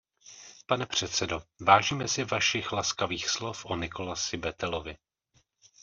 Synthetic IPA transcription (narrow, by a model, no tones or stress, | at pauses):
panɛpr̝̥ɛt̪sɛdo̞vaːʒiːmɛsɪvaʃɪxlaskaviːxslofʔonɪko̞lasɪbɛt̪ɛlo̞vɪ